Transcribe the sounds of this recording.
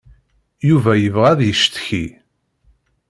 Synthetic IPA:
juvæjəvʁæðjəʃt̪çi

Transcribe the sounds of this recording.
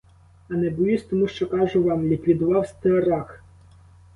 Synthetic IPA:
ɐnɛbʊjusʲt̪ɔmuʃt͡ʃɔkɑʒʊʋɑmlʲikʋʲid̪ʊʋɑwst̪eɐɾɑx

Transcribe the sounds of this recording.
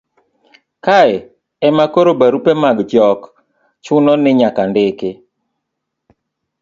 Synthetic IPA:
kaɛ | ɛmakoɾobaɾupemaɡd͡ʒɔk | t͡ʃʊnɔnɪɲakandɪkɪ

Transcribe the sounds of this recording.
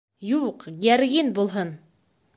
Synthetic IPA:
juqɡæɾɡinbulˠɦɤn

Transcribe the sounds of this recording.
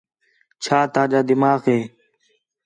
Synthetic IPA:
t͡ʃʰaːt̪aːd͡ʒaːd̪ɪmaːɣeː

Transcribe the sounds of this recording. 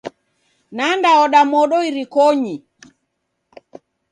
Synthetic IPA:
nandaɔɗamɔɗɔiɾikɔɲi

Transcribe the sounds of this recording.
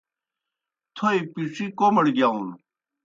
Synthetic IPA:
t̪ʰoipiʂikomɐɽɡjaːũn

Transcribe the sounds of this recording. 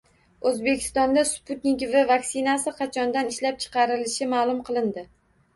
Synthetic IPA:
ɵzbekʲʰɪ̥st̪ɒnd̪aspʰut̪nɪkʲvavaksɪnasɪqʰɑt͡ʃʰɒnd̪anɪʃlap̚t͡ʃʰɨ̥qʰɑɾɪlɪʃɪmaːlˠʊmqʰɨlˠɪnd̪ɪ

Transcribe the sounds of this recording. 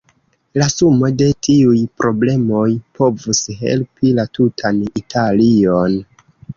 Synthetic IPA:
lasumo̞de̞tʰiujpɾo̞ble̞mo̞jpʰo̞vusɦe̞̰lpilatutʰanitʰalio̞n

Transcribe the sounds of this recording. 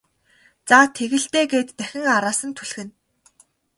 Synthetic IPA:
t͡sat̪ʰeɣɘ̆ɬt̪eːɡeːt̪ːæxʲɪ̆ŋaɾaːsə̆nt̪ʰuɮxɘ̆n

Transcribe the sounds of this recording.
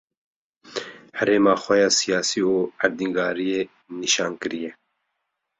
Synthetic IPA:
hɛɾeːmɑːxʷɛjɑːsijaːsiːoːæɾd̪iŋɡɑːɾijeː | niʃɑːnkɨɾijɛ

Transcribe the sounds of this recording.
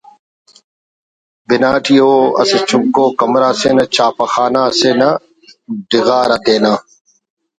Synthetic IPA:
bɪnaːʈʰiːoːɐ̰set͡ʃʰʊkːoːkɐmɾaːseːnɐt͡ʃʰaːpɐxaːnaːseːnɐ | ɖɪɣaːɾɐt̪eːnaː

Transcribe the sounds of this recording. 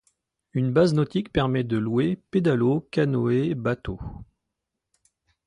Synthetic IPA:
ynbaznɔt̪ikpɛʁmɛd̪əlweped̪alokanoebat̪o

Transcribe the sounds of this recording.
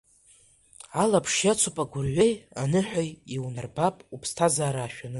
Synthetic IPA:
alapʰʂjat͡sʰopʼaɡʷʊrʕʷejanɨħʷᶣajiwnarbapʼupʰstʰazaːɾaːʃᶣanɨ

